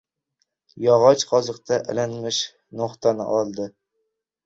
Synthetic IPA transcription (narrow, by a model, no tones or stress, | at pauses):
jɒʁɒt͡ʃqʰɒzɨqt̪ʰaʔɪ̰lanmɪʃ | noχt̪ʰanɪ̰ʔɒlˠd̪ɪ